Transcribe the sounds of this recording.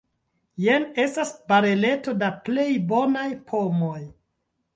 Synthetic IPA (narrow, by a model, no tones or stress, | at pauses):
jene̞stasbaɾele̞to̞daple̞jbo̞najpʰomo̞j